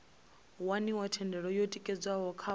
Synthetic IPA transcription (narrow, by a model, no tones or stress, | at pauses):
waniwatʰɛndʱɛɺɔjotʼikʼɛd͡zwaɦɔkʰa